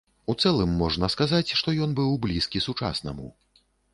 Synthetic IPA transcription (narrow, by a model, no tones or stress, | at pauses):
ut̪sɛlˠɨmːɔʐnɐskazat͡sʲʂt̪ɔjɔnbɨwblʲiskʲisut͡ʂa̰snɐ̰mṵ